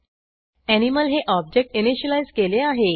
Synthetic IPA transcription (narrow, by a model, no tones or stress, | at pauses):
æniməlɦeʔɔb̚d͡ʑek̚ʈiniɕəlajzkeleaɦe